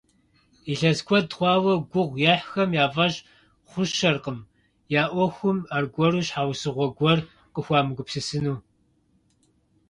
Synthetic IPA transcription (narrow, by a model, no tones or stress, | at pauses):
iɬɐzkʷʰɔdχʷɑːwɐɡʷʊʁʷjaːħxɐmjaːvɐʑ | χʷʊʃɐrqəm | jaːʔʷɔxʷʊmarɡʷɔɾuːɕħaːwsɨʁʷɔɡʷɔr | qəxʷɑːmɨɡʷʊpsɨsɨnuː